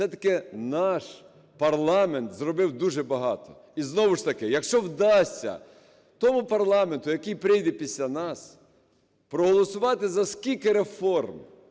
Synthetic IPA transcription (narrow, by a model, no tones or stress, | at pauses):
sɛt̪ɐ̥kɪnɑʃ | pɐrlˠɑment̪zrɔbɪwd̪uʒɛbɐɦɑt̪ɔ̰ | iznɔʋɪʃt̪ɐkɪjɐkʃt͡ʃɔwd̪ɑsʲɐ̰ | t̪ɔmʊpɐrlˠɑment̪ʊjɐkɪjpɾɪjd̪ɛpʲisʲlʲanɑs | pɾɔɦɔlˠɔsʊʋɑt̪ɪzɐskʲilʲkɪɾefɔrm